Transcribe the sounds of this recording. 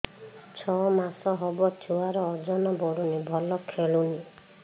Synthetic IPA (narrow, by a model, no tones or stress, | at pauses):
t͡ʃʰɔmasɔɦɔbɔtʰuaɾɔːd͡ʒɔnɔbɔɽunibʱɔlɔkʰeɭuni